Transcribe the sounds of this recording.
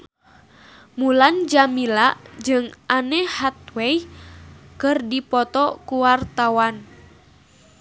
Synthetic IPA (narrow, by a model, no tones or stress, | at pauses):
muland͡ʒamilaʔd͡ʒɨŋʔanɛhat̪̚wɛj | kɨrdipɔt̪ɔkuwart̪awan